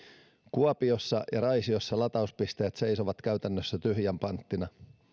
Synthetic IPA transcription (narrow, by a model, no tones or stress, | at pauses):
kuɑpio̞sːɑjɑɾɑjsiosːɑlɑt̪ɑuspist̪e̞ːt̪se̞jso̞ʋɑt̪kæɥt̪ænːøsːæt̪yɦjæmpɑnt̪ːinɑ